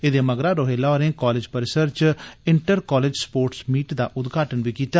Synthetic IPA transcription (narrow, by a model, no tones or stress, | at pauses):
ed̪eːməɡɾaːɾoːɦeːlaːɔːɾẽːkɔːlɪd͡ʒpəɾːɪsəɾt͡ʃɪɳʈəɾkɔːleːd͡ʒspoːɾʈsmiːʈd̪a̰ːʔʊd̪ɡʱaːʈənʋiːkiːt̪aː